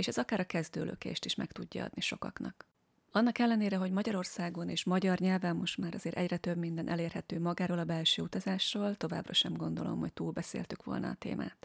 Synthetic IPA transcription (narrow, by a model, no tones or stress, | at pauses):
eːʃɛzɒkaːɾɒkɛzd̪ø̰ːlʔø̰kḛːʃt̪iʃmɛkt̪uɟːɒ̰ɒ̰d̪niʃo̞kɒ̰knɒk | ɒnːɒkɛlːɛneːɾɛɦo̞ɟmɒɟɒɾo̞rsaːɡo̞neːʃmɒɟɒrɲɛlvɛmːo̞ʃt̪maːɾɒzeːɾʔɛɟrɛt̪øbmind̪ɛnʔɛleːrhɛt̪øːmɒɡaːɾoːlɒbɛlʃøːut̪ɒzaːʃroːlt̪o̞va̰ːbrɒʃɛmɡo̞nd̪o̞lo̞̰mho̞c̚t̪uːlbɛsḛːlt̪ykʋo̞̰lnɒ̰ːt̪ḛːmʔa̰ːt̪